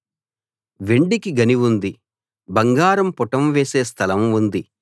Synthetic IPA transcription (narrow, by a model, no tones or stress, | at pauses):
ʋeɳɖikiɡɐniʋund̪i | bɐŋɡaːɾɐmpɔʈɐmʋeːseːst̪ʰɐlɐmund̪i